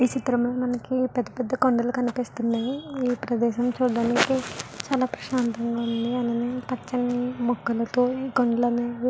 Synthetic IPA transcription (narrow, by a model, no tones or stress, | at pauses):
iːt͡ʃit̪ɾɐmlo̞ːmɐnɐkipɛd̪ːɐpɛd̪ːɐkoɳɖɐlukɐnipist̪unːɐiiːpɾɐd̪ɛːʃɐmt͡ʃuːɽɽaːnikit͡ʃaːlaːpɾɐʃaːnt̪ɐŋɡaːund̪iɐnd̪ɐneːpɐt͡ʃːɐnːimɔɡːɐlɐt̪oːiːkoɳɖɐlɐne